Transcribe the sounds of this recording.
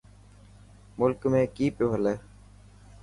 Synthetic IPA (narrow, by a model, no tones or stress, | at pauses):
mʊlkmẽːkiːpjoːɦəleː